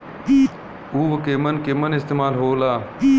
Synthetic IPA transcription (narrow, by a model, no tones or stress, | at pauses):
uːʋəkeːmɐnkeːmɐnɪst̪eːmaːlɦoːlaː